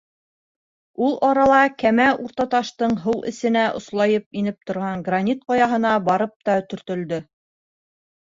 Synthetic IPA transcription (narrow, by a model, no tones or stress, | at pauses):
ulˠʔɑɾɑlˠɑkæmæʔuɾt̪ɑt̪ɑʃt̪ɤɴɦɤwʔɘ̰̆sɘ̆næʔŏ̰slˠɑjɤp̚inɘp̚t̪ŏɾʁɑɴɡrɐnʲit̪̚qɑjɑɦɤ̆n̪ɑbɑɾɤp̚t̪ɑt̪ɵ̆ɾt̪ɵ̆ld̪ɵ